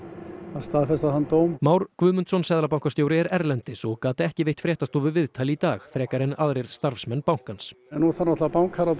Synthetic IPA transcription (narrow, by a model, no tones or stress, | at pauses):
ast̪aːðfɛst̪aðhant̪oːwmmaːwɾkvʏːðmʏnt̪sɔnsɛðlapawŋkast̪jowɾɪɛɾɛɾlɛnt̪ɪsɔɣkaːt̪ɪɛhcɪvejht̪fɾɛːht̪ast̪ɔːvɪvɪðt̪ʰaːliːt̪aːɣfɾɛːkaɾɪnaðɾejɾ̥st̪aɾfsmɛnːpawŋ̥kansɛnːuθanːɔt̪lvapawŋkhaɾa